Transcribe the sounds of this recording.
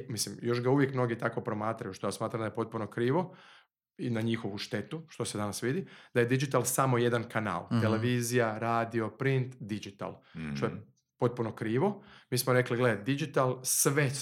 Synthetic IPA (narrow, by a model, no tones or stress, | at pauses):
mislimjo̞ʃɡauʋjekmno̞ɡit̪ako̞pɾo̞maːt̪ɾajuʃt̪ojasmaːt̪ɾamd̪ajepo̞t̪̚puno̞kɾiːʋo̞ | inaɲixo̞ʋuʃt̪e̞t̪uʃt̪o̞se̞d̪anasʋid̪id̪ajed̪id͡ʒit̪alˠsamo̞je̞d̪ankana̰ːlˠt̪eleʋiːzijaɾaːd̪io̞pɾint̪d̪id͡ʒit̪a̰lˠʃt̪o̞je | po̞t̪̚puno̞kɾiːʋo̞miːsmoɾe̞kliɡled̪id͡ʒit̪alˠsʋe